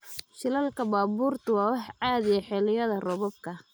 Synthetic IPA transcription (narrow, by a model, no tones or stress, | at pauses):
ʃɪlɐlkʰɐbaːbuːrt̪ʰʊwɑːwɑħʕɑːðɪjɐħɪlɪjɐðɐrɔβɔb̚kʰɐ